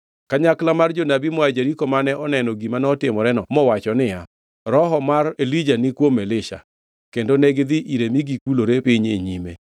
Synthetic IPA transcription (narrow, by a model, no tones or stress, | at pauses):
kaɲaklamard͡ʒonabimwad͡ʒeɾikomanɛʔɔnɛnɔɡimanɔtɪmɔɾɛnɔmɔwat͡ʃɔnɪja | ɾɔɦɔmarelid͡ʒanɪkwomɛlɪʃa̰ | kendonɛɡd̪ɪʔiɾemiɡikuloɾepɪɲḛɲimḛ